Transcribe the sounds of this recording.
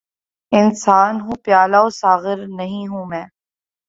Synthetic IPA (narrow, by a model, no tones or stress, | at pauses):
ɪnsaːnɦũːpjaːlaosaːɣɪɾnɐɦĩɦũːmɛ̃ː